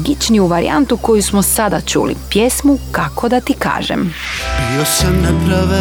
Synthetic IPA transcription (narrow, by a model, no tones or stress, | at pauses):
ɡit͡ʃniuʋaɾḭa̰nt̪uko̞jusmosad̪at͡ʃṵlḭpjesmukakʰo̞d̪at̪ika̰ːʒḛmbiosamnɛpɾaʋe